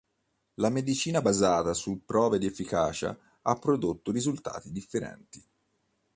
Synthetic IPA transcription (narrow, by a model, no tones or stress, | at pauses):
lamed̪it͡ʃiːnabazaːt̪asupːɾɔːved̪iefːikaːt͡ʃa̰ | apːɾod̪ot̪ːoɾizult̪a̰ːt̪id̪ifːeɾɛ̰nt̪i